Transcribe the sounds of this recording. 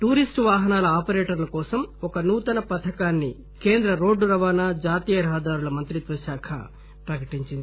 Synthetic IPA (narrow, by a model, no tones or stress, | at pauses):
ʈuːɾisʈʋaːɦɐnaːlɐaːpɐɾeːʈɐɾlɐkɔːsɐmɔkɐnuːt̪ɐnɐpɐt̪ʰɐkaːnːi | ke̞ːnd̪ɾɐɾo̞ːɖːɾɐʋaːnaːd͡ʒaːt̪iːjɐɾɐɦɐd̪aːɾulɐmɐnt̪ɾit̪ʋɐʃaːkʰɐ̰ | pɾɐkɐʈiɲt͡ʃind̪ii